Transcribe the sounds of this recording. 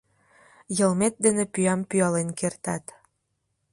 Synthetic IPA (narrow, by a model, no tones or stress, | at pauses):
jɤ̆lmet̪̚d̪enĕpyɑmpyɑlenkert̪ɑt̪